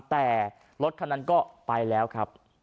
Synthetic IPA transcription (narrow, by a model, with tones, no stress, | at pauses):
t̪ɛː˨˩ | lo˦t̪̚kʰa˥˩na˦˥nkɔː˥˩pa˧jlɛː˦˥wkʰɾa˦˥p̚